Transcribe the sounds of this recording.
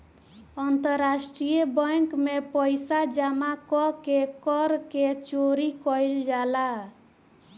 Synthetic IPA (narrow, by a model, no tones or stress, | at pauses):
ənt̪əɾːasʈɾijəbəŋkmepəjsad͡ʒamakɔkekɔɾket͡ʃoɾikɔjld͡ʒala